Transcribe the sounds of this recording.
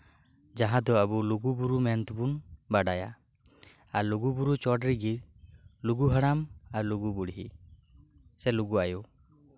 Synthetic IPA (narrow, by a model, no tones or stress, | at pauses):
d͡ʒaɦãd̪ɔabuluɡubuɾumɛnt̪bun | baɖaja | aɾluɡubuɾut͡ʃɔɖɾiɡi | luɡuɦəɽ̃am | aɾluɡubuɽiɦḭ | sɛluɡuaju